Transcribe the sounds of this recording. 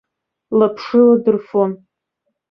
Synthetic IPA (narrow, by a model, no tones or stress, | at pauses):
lapʰʂɨladɨrfon